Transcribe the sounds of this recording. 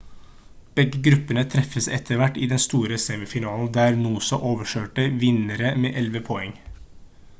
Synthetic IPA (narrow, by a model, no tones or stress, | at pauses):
b̥ɛɡəɡɾʉpːənət̪ʰɾɛfəsɛt̪ʰəʋæʈːiːd̪ɛnst̪uːɾəsɛːmɪfɪnɑːln̩d̪æːɾnuːsɔʔoːʋəʂøːʈəʋɪnəɾəmḛːʔɛlʋəpʰɔɛŋ